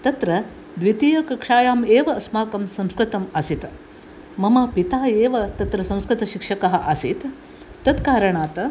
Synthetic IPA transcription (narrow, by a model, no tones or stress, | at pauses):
t̪ɐt̪ɾɐ | d̪ʋit̪ijɐkɐkʂaːjaːmeːʋɐɐsmaːkɐmsɐmskɾɪt̪ɐmasit̪ | mɐmɐpit̪aːjeːʋɐt̪ɐt̪ɾɐsɐ̃mskɾɪt̪ɐʃikʂɐkɐɦɐ̆ʔasit̪ː | ɐt̪kaːɾɐɳaːt̪ɐ